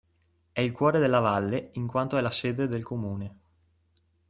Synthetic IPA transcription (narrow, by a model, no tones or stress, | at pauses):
ɛilkwɔːɾed̪elːavalːeiŋkwant̪oɛlaseːd̪ed̪elkʰomuːne